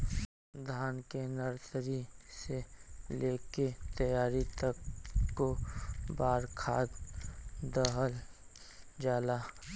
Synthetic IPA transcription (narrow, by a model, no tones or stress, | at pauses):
d̪ʱaːnkenəɾsɾiseleːket̪əjaːɾit̪əkːobaːɾkʰaːd̪ | d̪əɦəl | d͡ʒaːlaː